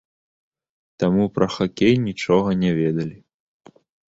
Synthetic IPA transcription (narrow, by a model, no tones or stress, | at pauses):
t̪amupɾɐxakʲejnʲit͡ʂɔɣɐnʲavʲɛd̪ɐlʲi